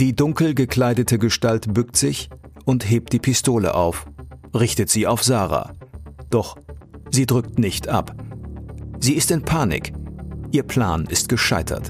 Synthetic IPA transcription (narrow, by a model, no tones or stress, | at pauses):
d̥iːdʊŋkl̩ɡəkl̥aɪdətəɡəʃtaltb̥ʏktz̥ɪçʔʊntɦeːp̚td̥iːpʰɪstoːlə̰ʔaʊfʁɪçtətz̥iːaʊfz̥aːʁa̰ːd̥ɔχz̥iːdʁʏk̚tnɪçtʔa̰p | z̥iːɪstɪnpʰaːnɪ̰kʔiːɐpʰl̥a̰ːnɪstɡ̥əʃaɪtʰɐ̰t